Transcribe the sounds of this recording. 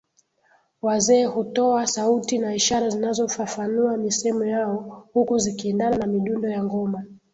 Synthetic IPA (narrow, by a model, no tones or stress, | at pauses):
wazɛːhutɔasautinaiʃaɾazinazɔfafanuwamisɛmɔjaɔhukuzikiɛndananamiɗundɔjaŋɡɔma